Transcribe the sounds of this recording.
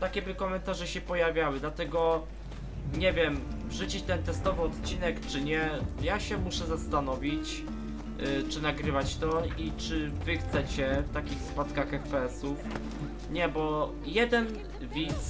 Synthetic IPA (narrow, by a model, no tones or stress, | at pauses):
t̪akʲɛbɘkɔmɛnt̪aʐɛɕɛpɔjavʲjawɘd̪lat̪ɛɡɔ | ɲɛvʲjɛm | ʐut͡ɕit͡ɕt̪ɛnt̪ɛst̪ɔvɘɔt̪t͡ɕinɛkt͡ʂɘɲɛjaɕɛmuʂɛzast̪anɔvʲit͡ɕ | t͡ʂɘnaɡɾɘvat͡ɕt̪ɔit͡ʂɘvɘxt̪sɛt͡ɕɛft̪akʲixspat̪kaxɛxpɛɛsuf | ɲɛbɔ | jɛd̪ɛn | vʲit̪s